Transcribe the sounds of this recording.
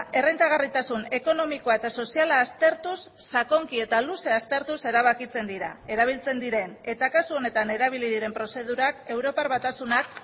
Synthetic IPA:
e̞rent̪aɣ̞arit̪asune̞ko̞no̞mikoaet̪aso̞sialaːst̪e̞ɾt̪usːako̞ŋkie̞t̪aluse̞ast̪e̞ɾt̪use̞ɾaβ̞akit͡se̞nd̪iɾa̰e̞ɾaβ̞ilt͡se̞nd̪iɾe̞ne̞t̪akasuo̞ne̞t̪ane̞ɾaβ̞iliðiɾe̞mpɾose̞ð̞uɾake̞wɾo̞paɾβat̪asunak

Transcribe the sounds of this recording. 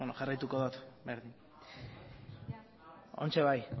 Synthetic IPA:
onoʝarajt̪uko̞ðot̪beɾðin | o̞̰nt͡ʃe̞β̞aj

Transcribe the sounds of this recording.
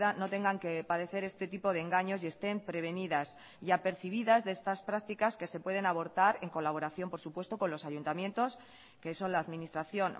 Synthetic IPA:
ðano̞t̪e̞ŋɡaŋke̞paðe̞θe̞ɾe̞st̪e̞t̪ipo̞ð̞eŋɡaɲo̞sje̞st̪e̞mpɾe̞β̞e̞niðas | iape̞ɾθiβ̞iðazðe̞st̪aspɾak̚t̪ikaske̞se̞pwe̞ð̞e̞naβo̞ɾt̪aɾe̞ŋko̞laβo̞ɾaθjo̞mpo̞ɾsupwe̞st̪o̞ko̞nlo̞saʝunt̪amje̞nt̪o̞s | ke̞so̞nlaːðmĩnist̪ɾaθjo̞n

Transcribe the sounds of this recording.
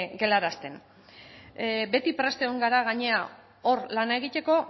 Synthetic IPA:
ɡe̞laɾast̪e̞n | be̞t̪ipɾe̞st̪eɣoŋɡaɾaɣ̞aɲe̞a | o̞ɾlanae̞ɣ̞it̪e̞ko̞

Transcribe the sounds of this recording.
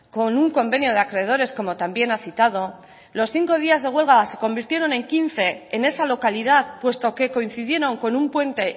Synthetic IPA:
ko̞nuŋko̞mbe̞njo̞ð̞eakɾe̞ð̞o̞ɾe̞sko̞mo̞t̪ambje̞naθit̪að̞o̞ | lo̞sθiŋko̞ð̞iazð̞e̞ɣ̞we̞lɣase̞ko̞mbiɾt̪je̞ɾo̞ne̞ŋkin̟θe̞ːne̞salo̞kalið̞aðpwe̞st̪o̞ke̞ko̞in̟θiðje̞ɾo̞ŋko̞numpwe̞nt̪e̞

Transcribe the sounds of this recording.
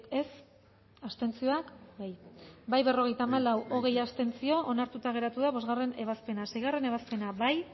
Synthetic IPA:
e̞s | ast̪e̞nt͡sio̞akbajbajβe̞ro̞ɣ̞e̞jt̪aːmalawʔo̞ɣe̞jast̪e̞nt͡sio̞ʔonaɾt̪ut̪aɣ̞e̞ɾat̪uðaβo̞zɣare̞ne̞β̞aspe̞nasejɣarene̞β̞aspe̞naβaj

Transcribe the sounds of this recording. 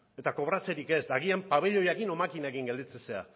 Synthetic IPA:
e̞t̪ako̞βɾat͡seɾike̞zd̪aɣiampaβ̞e̞ʎo̞jakino̞makinaekiŋɡed̪it͡sesea̰

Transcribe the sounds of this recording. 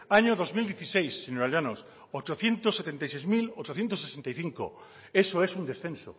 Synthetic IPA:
aɲoðo̞zmild̪jeθisejsːinoɾaljanos | ot͡ʃoθjẽ̞nt̪osːet̪ent̪ajsejzmilot͡ʃoθje̞nt̪osːesent̪ajθiŋko̰ | esoesund̪e̞sθẽnso̰

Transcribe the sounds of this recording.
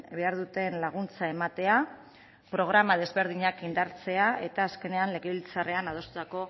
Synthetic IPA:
be̞aɾðut̪e̞nlaɣ̞unt͡saemat̪e̞a | pɾo̞ɣ̞ɾamað̞e̞zβe̞ɾðiɲakind̪aɾt͡se̞ae̞t̪aːske̞ne̞anle̞ɣeβilt͡sare̞anað̞o̞st̪ut̪ako̞

